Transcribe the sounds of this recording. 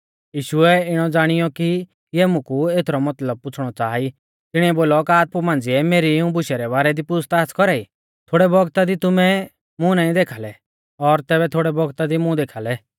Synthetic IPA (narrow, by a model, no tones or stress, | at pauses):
jiːʃʊɛɪɽ̃ɔd͡zaːɽ̃ɪjɔki | jɛmʊ̃kueːt̪ʰɾɔmɐt̪ləb̚pʊt͡sʰɽ̃ɔt͡saːi | t̪ɪɽ̃iɛboːlɔkaːt̪̚pumãːnd͡zɪɛmeːɾiũbʊʃɛɾɛβaːɾɛd̪ipʊst̪aːskɔɾaːi | t̪ʰoːɽɛbɔɡt̪ad̪it̪ʊmɛ | mʊ̃naːĩd̪eːkʰaːlɛ | ɔɾt̪ɛːbɛt̪ʰoːɽɛbɔɡt̪ad̪imʊ̃d̪eːkʰaːlɛ